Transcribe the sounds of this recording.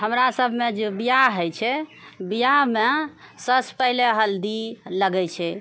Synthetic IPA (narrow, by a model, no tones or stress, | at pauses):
ɦəmɾasəbʱmed͡ʒebijaɦət͡ʃʰɛbijamesəspəɦileɦəld̪iləɡɛt͡ʃʰɛ